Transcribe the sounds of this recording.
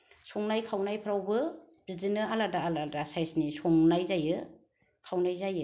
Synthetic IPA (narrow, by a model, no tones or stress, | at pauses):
soŋnajkʰawnajpʰɾawbɯ | b̥izinɯaladaːladasajsnisɔŋnajzajɯ | kʰawnajzajɯ